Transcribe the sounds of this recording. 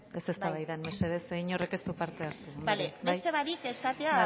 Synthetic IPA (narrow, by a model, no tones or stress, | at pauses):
e̞se̞st̪aβajðanmeseðeseiɲo̞re̞ke̞st̪upaɾt̪e̞aɾt̪ubalebeasjt̪e̞βaɾikest̪at̪eaa